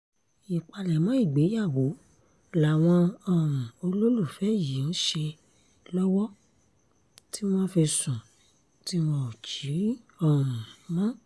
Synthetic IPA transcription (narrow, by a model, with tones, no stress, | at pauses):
i˨k͡pa˧lɛ˨mɔ̃˨˦i˦˨ɡ͡be˨˦ja˦˨wo˨˦ | la˨w̃ɔ̃˧ɔ˦˨ɾũ˨o˧lo˦lu˦˨fɛ˨˦ji˨ɔ̃˨˦ʃe˧ | lɔ˦wɔ˦ | ti˦w̃ɔ̃˦fe˧sũ˨ | ti˦wɔ̃˧˦o˨t͡ʃi˨˦ɾi˦ | ɔ˦˨ũ˨mɔ̃˦